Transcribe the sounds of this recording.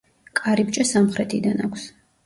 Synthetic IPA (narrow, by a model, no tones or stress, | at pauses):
kʼaɾib̚t͡ʃʼasamχɾɛt̪ʰid̪anakʷʰs